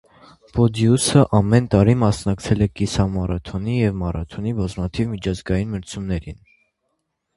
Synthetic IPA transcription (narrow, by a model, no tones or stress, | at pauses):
pɔd̪jusəʔɑmɛnt̪ɑɾimɑsnɑkt͡sʰɛlɛkisɑmɑɾɑt̪ʰɔnijɛvmɑrʔɑ̰t̪ʰɔnibɑzmɑt̪ʰivmit͡ʃʰɑzɡɑjinməɾt͡sʰumnɛɾḭn